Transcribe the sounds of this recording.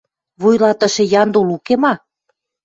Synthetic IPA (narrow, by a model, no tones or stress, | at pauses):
βujlɑt̪ə̆ʃĕjɑnd̪ulukemɑ